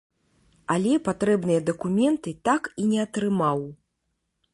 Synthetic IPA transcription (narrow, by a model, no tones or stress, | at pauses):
alʲɛpat̪ɾɛbnɨjɐd̪ɐkumʲɛnt̪ɨt̪akinʲɛɐt̪ɾɨmaw